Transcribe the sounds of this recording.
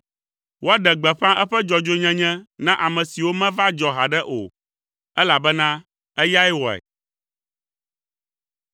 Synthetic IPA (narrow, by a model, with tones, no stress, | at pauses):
wo˦a˦ɖɛ˨ɡ͡bɛ˨ɸã˦ʔɛ˦ɸɛ˦d͡ʒɔ˨d͡ʒo˦ɲɛ̃˦ɲɛ̃˦nã˦ʔa˨mɛ̃˨si˨wo˦mɛ̃˦va˦d͡ʒɔ˨ɦa˨ɖɛ˦ʔo̰˨ | ɛ˦la˨bɛ˦nã˦ | ɛ˦ja˦ɛ˦wɔ˨ɛ̰˨